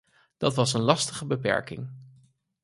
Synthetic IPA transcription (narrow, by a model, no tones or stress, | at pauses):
d̥ɑtʋɑsənlɑstəχəbəpɛ̰ɹkɪ̰ŋ